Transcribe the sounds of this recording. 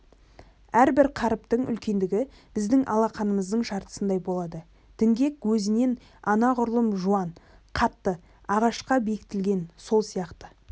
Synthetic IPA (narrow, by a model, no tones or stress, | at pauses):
æɾbɪɾqʰɑɾəp̚t̪əɴʏ̰lkʲe̞nd̪ɪɡʲɪ | b̥ɪzd̪ɪŋʔɑ̰lˠɑqɑnəməzd̪əɴʃɑɾt̪ə̥sənd̪ɑjbo̞lˠɑd̪ə | d̪̥ʰɪŋɡʲe̞kwɵzɪne̞n | ɑnɑʁʊɾlˠəmʒuɑn | qʰɑt̪ːə | ɑʁɑʃqɑbe̞kɪt̪ɪlɡʲe̞nso̞lˠsijɑqt̪ə